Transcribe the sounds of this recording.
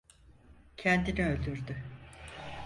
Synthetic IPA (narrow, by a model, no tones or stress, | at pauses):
cʰɛnd̪iniø̞lʲd̪yɾd̪y